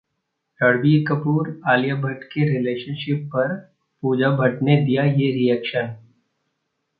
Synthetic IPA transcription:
ʈɐɽbikəpuːɾaːlijabʱɐʈkeɾɪleːʃənʃɪpːɐɾ | puːd͡ʒabʱɐʈned̪ijajeɾijɛkʃən

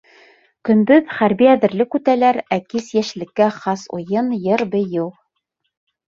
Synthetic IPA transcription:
kɵ̆nbɵðχæɾbiæðɘ̆ɾlɘkʉt̪ælæɾækisjæʃlɘ̆kːæχɑsṵjɤnjɤɾbɘ̆jɤw

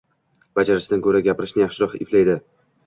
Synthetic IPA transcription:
b̥ad͡ʒaɾɪʃd̪ankʰɵɾaɡʲapɪɾɪʃnɪjaχʃɪɾɒχɪ̰pʰlajd̪ɪ

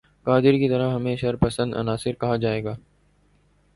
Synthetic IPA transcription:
kaːd̪ɪɾkit̪ɐɾəɦɐmẽʃɐɾpɐsə̃nd̪ɐ̰naːsɪɾkɐɦad͡ʒaːeːɡaː

